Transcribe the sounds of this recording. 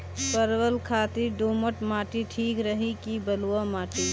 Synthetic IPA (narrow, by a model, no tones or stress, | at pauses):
pəɾwəlkʰaːt̪iɖoːməʈmaːʈiʈʰiːkɾəɦikibəluwamaːʈi